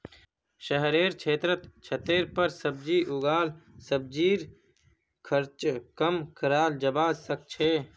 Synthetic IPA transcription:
ʃəɦɾeːɾt͡ʃʰeːt̪ɾət̪t͡ʃʰət̪eːɾpəɾsəb̚d͡ʒiʔʊɡaːlsəb̚d͡ʒiːɾ | kʰəɾt͡ʃkəmkəɾaːld͡ʒəbaːzsək̚t͡ʃʰeː

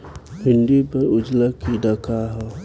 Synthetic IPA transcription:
ɦɪ̃nd̪ipəɾʊd͡ʒlakiɖəkʰaɦɛː

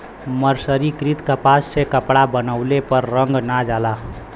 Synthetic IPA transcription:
məɾsəɾikɾit̪kəpassekəpɽabənəʊlepəɾːəŋɡnad͡ʒala

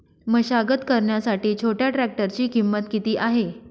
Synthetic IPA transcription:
məɕaɡət̪kəɾɳjasaʈiːt͡ɕʰoʈjaʈɾæk̚ʈəɾt͡ɕiːkimːət̪kit̪iːʔaɦe

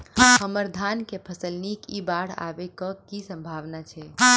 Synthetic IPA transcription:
həməɾd̪ʱankepʰəsəlnikibaɽa̰bekɔkisə̃mbʱaʋnat͡ʃʰɛ

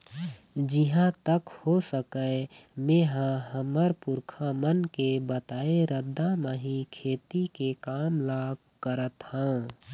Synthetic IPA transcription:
d͡ʒɪɦãt̪əkhosəkəemẽːɦãɦəməɾpʊɾkʰamənkebət̪aːeɾəd̪ʱameɦikʰeːt̪ikekaːmlaːɡ | kəɾət̪hãː

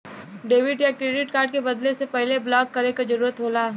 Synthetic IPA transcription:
ɖeːʋɪɖjakɾeːɖɪʈkaːɾɖ̚kebɐd̪lesepɛɦleblɔːkːɐɾekazɐɾuːɾət̪ɦoːlaː

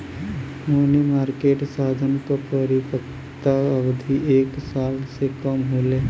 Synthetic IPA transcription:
monimaːɾkeːʈsaːd̪ʱənkəpəɾikək | t̪aəʋd̪ʱiʔeːksaːlsekəmɦoːleː

